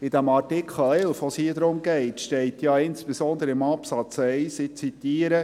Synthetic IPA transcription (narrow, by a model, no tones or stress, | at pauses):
ɪd̥̪æmɑrtɪkχəl̩ɛlfʋoshiːəd̪ɾʊmɡɛɪtʃtɛɪtjɑɪnspesɔnd̪əɾəɪmɑpsɑt͡sɛɪsɪt͡sit̪iːəɾə